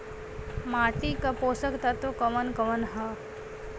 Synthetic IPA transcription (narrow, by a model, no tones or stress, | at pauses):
maːʈikapoːsəkt̪ɐt̪okɐmənkɐʋənɦɐ